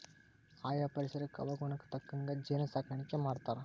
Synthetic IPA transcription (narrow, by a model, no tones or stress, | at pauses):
aːjaːpɐɾɪsɐɾɐkɐʋɐɣunɯkːɯ̥t̪ɐkːɯŋɡɐd͡ʒɛnɐsaːkːɐɳɪkʲːɐmaːɾt̪ːaːɾ